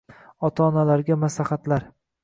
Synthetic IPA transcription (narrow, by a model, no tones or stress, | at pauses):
ɒt̪ʰaːnalaɾɡʲamaslaχat̪laɾ